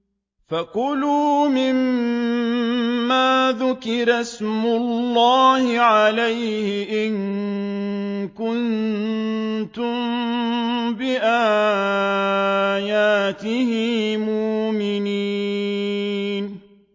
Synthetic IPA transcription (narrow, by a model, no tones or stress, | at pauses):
faqʊluːmɪm | aːðʊkɪɾasmʊllːaːhɪʕalajhɪʔɪŋ | kʊn | t̪ʊm | bɪʔaː | jaːt̪ɪhɪmʊʔmɪniː | n